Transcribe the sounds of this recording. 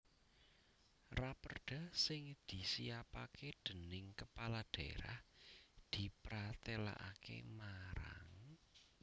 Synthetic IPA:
rapərɖ̥a̤sɪŋd̪̥i̤siapaked̪̥ə̤nɪŋkəpalad̪̥eɾa̰hd̪̥i̤pɾat̪ela̰ʔakḛmaɾa̰ŋ

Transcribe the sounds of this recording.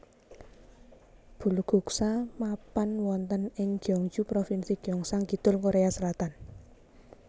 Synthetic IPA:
b̥ṳluɡ̥ṳksamapanwɔnt̪ənɪŋɡ̥jɔŋd͡ʒupɾofinsiɡ̥jɔŋsaŋɡi̤t̪ʊlkoɾeaslat̪an

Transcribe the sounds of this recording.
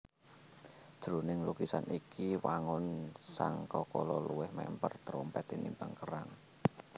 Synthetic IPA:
d̥ʒ̥ɾunɪŋlukisanikiwaŋʊnsaŋkɔkɔlɔluwɪhmɛ̰mpərt̪ɾɔmpɛt̪inimbaŋkəɾaŋ

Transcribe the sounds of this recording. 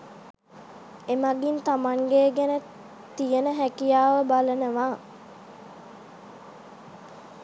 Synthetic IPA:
emaɡint̪amaŋɡeːɡænə | t̪ijənəɦækijaːʋəbalənəʋaː

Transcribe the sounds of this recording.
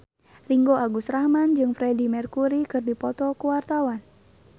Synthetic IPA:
riŋɡoʔaɡusrahmand͡ʒɨŋfɾɛdimɛrkuɾikɨrdipɔt̪ɔkuwart̪awan

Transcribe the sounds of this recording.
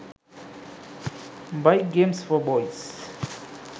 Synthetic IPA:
bajk̚ɡẽmsfɔbɔjs

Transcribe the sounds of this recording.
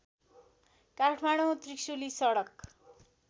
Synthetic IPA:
kaʈʰmaɽ̃ot̪riksulisʌɽʌk

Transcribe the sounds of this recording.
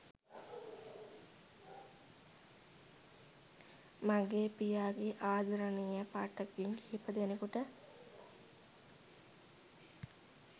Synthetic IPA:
maɡeːpijaːɡeʔaːd̪ʱɐɾənijəpaːʈːəɡiŋɡipəd̪enekuʈə

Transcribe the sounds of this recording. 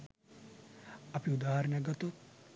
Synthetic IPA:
ɐpiud̪aːɦɐɾnɐɡɐt̪ot̪

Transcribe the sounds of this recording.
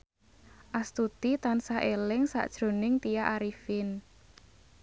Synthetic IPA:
ʔast̪ut̪it̪ansaʔelɪŋsa̰ʔd̥ʒ̥ɾo̤nɪŋt̪ijaʔaɾifɪn

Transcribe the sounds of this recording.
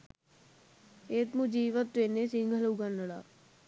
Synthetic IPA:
et̪mud͡ʒiːʋət̪ːenːesiŋɡʱəloɡanːəɽa̰ː

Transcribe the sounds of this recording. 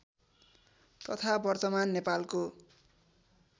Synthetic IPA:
t̪ʌt̪ʰabʌrt̪ʌmanːepalko

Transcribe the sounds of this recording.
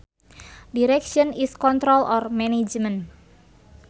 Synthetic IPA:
diɾɛkʃɔniskɔnt̪ɾɔlʔɔrmɛned͡ʒmən

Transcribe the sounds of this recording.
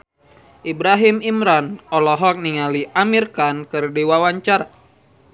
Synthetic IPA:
ʔibɾaɦimimɾanɔlɔɦɔk̚niŋaliʔamirkankɨrdiwawaɲt͡ʃar

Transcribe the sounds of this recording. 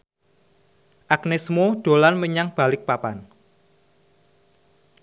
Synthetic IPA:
ʔaknesmoɖ̪̥o̤lanməɲaŋb̥a̤lɪk̚papan

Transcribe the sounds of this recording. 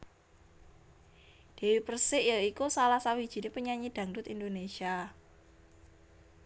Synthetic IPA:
d̪̥e̤wipərsɪʔjəikusalasawid̥ʒ̥i̤nepəɲaɲid̪̥ä̤ŋdʊt̪ind̪onesia

